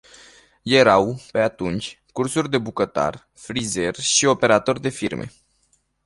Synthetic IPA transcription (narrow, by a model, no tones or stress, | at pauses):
je̞ɾawpe̞at̪unt͡ʃʲ | kursurʲd̪e̞bukət̪a̰r | fɾize̞rʃio̞pe̞ɾat̪o̞rʲd̪e̞firmʔe̞̰